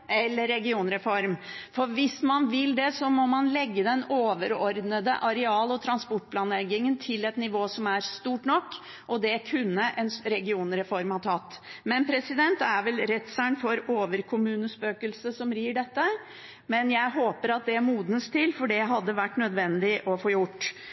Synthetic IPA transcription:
ɛlːəɾːɛɡɪuːnɾɛfɔɾmfɔɾʋɪsmɑnʋɪld̪ɛsɔmɔmɑnlɛɡːəd̪ɛnoːʋəɾɔɾd̪nəd̪ə̰ʔɑɾɛɑːlɔt̪ʰɾɑnspɔʈ̚ːpʰlɑːnlɛɡɪŋənt̪ʰɪlɛt̪nɪʋoːsɔmæɾst̪uːʈnɔkː | ʔɔd̪ɛkʰʉnːəʔɛnɾɛɡɪuːnɾɛfɔɾmhɑʈʰɑt̪ːmɛnpʰɾɛsɪd̪ɛnt̪æɾʋɛlɾɛt̪sæɳfɔɾoːʋəɾkʰʊmʉːnəspøːkəlsəsɔmɾiːɖɛt̪ːə | mɛnjæɪɦoːpəɾɑt̪̚d̪ɛæmuːd̪nəst̪ʰɪlfɔɖɛɦɑd̪ːəʋæʈːnœd̪ʋɛnd̪ɪʔɔfoːjʊʈː

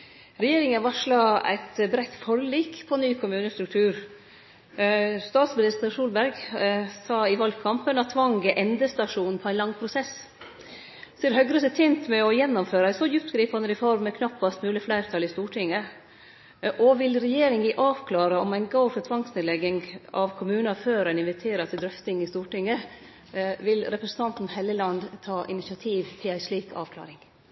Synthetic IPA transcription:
ɾɛjeːɾɪŋənʋɑʂɭɑæ̰ɪt̪bɾɛt̪ːfɔɾliːkpʰɔnyːkʰʊmʉːnəst̪ɾʉkt̪ʰʉːɾ | st̪ɑːt̪smɪnɪst̪əɾʂuːlbæɾɡsɑːɪʋɑlɡkʰɑmpənɑt̪ʰːʋɑŋɡəʔɛnd̪əst̪ɑʂuːnnpʰɔæɪnlɑŋpʰɾʊsɛs | sɔɛɾhœɡɾəsət̪ʰɛnt̪mɛɔjɛnːɔmføːɾəæɪsɔjʉp̚t̪ɡɾiːpɑnəɾɛfɔɾmːɛkʰnɑpːɑst̪mʉːlɪflæɪɾt̪ʰɑlɪst̪uːʈʰɪŋːə | ʔɔʋɪlɾɛjeːɾɪŋɪʔɑːʋkʰlɑːɾəɔmæɪnɡoʊfɔt̪ʰʋɑŋsneːd̪lɛɡɪŋɑ̰ʋkʰʊmʉːnɑføːɾɛnɪnʋɪt̪ʰeːɾɑt̪ʰɪld̪ɾœft̪ɪŋɪst̪uːʈɪŋːə | ʋɪlɾɛpɾəsən̩t̪ɑnt̪n̩hæləlɑnd̪t̪ʰɑːʔɪnɪsɪɑt̪ʰiːʋt̪ʰɪlæɪsliːkʰɑ̰ːʋklɑ̰ːɾɪŋ

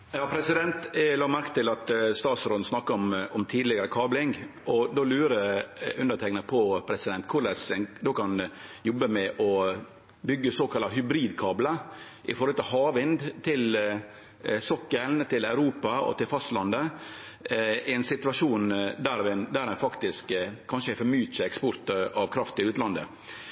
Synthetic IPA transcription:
jɑːpʰɾɛsɪd̪ɛnt̪lɑːmæɾkə̥t̪ɪlɑt̪st̪ɑːt̪sɾoːd̪n̩snɑkːəɔmɔmt̪ʰiːd̪lɪɡəɾəkʰɑːblɪŋʔɔd̪oːlʉːɾəʉnd̪əʈ̪ʰɛknəpʰɔpʰɾɛsɪd̪ɛnt̪kʰʊɾlɛsɛnd̪oːkɑnjɔbːəmɛʔɔ | bʏɡːəsoːkʰɑlɑɦʏbɾiːd̪kʰɑːbləʔɪ̰fɔɾhɔlt̪ɪlɦɑːʋɪnd̪t̪ʰɪl | sɔkːəlnt̪ʰɪlæʉɾuːpɑɔ̰t̪ɪlfɑst̪lɑnd̪ə | ɛnsɪt̪ʉʋɑʂuːnd̪æɾɑʋɪnd̪æɾɛnfɑkt̪ɪskkʰːɑnʂəɛfɔmyːt̪sæɛkspɔɾt̪əɑʋkʰɾɑft̪ɪlʉːt̪lɑnd̪ə̰

